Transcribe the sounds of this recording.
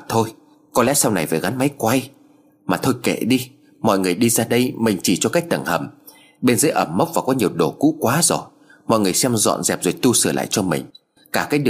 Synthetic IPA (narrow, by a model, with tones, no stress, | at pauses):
t̪ʰo˧j | kɔ˨˦lɛ̰˧˥sa˧wna˨˩jvəː˨˩ɣa˨˦nma˨˦jkwa˧j | maː˨˩t̪ʰo˧jkḛ˧˨ɗi˧ | mɔ̰˧˨jŋɨ˨˩əjɗi˧zaː˧ɗə˧jmï˨˩ŋ̟t͡ɕi˧˩t͡ɕɔ˧ka˦˥k̚t̪ə˨˧˩ŋhə̰˧˩m | ɓe˧nzəː˨˦jʔə˧˩mːə˦˥wk͡p̚vaː˨˩kɔ˨˦ɲi˨˩əwɗo˧˩kṵ˧˥kwaː˨˦zo˨˩j | mɔ̰˧˨jŋɨ˨˩əjsɛ˧mzɔ̰˧˨nzɛ̰˨˩p̚zo˨˩jt̪u˧sɨ˧˩la̰ː˧˨jt͡ɕɔ˧mï˨˩ŋ̟ | kaː˧˩kaː˨˦jɗɨ˨˩